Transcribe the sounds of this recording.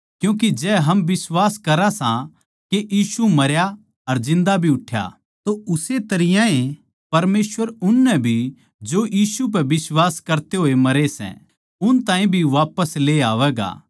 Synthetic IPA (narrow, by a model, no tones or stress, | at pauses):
kjũːk̬ed͡ʒɛːɦɐmbɪswaːskɐɾasã | keʔjiːsumɐɾja | ɐɾzɪ̃nd̪abʱiʊʈʰːja̰ | t̪oʊset̪ɐɾɪjãẽ | pɐɾmeːsʋəɾʊnːɛbʱi | d͡ʒojiːsup̬ɛbɪswaːskɐɾt̪eɦoːemɐɾesɛ̰̃ | ʊnt̪ãːĩbʱiʋaːpəsleːaːʋɛːɡa̰ː